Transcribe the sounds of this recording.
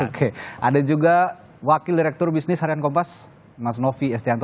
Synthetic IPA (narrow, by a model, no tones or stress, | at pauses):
okʰeʔadad͡ʒuɡa | wakildiɾɛk̚t̪ɔrbisnɪshaɾiankɔmpas | mas̬nofiɛst̪iant̪